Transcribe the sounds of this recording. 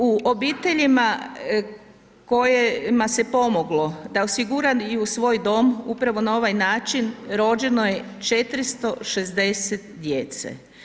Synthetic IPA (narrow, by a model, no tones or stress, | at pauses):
uʔobiːt̪e̞ʎima | ko̞jemasepo̞moɡlod̪aosiɡuɾajusʋo̞ːjd̪o̞ːmupɾaʋo̞nao̞ʋajnaːt͡ʃinɾo̞d͡ʒe̞no̞je̞t͡ʃe̞t̪ɾist̪o̞ʃezd̪e̞set̪d̪jet̪sḛ